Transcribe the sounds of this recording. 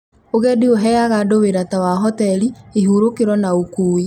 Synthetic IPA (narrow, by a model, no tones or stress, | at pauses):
oɣɛdioɦɛaɣadoweɾatawaɦɔtɛɾiiɦuɾokeɾɔnaokuːe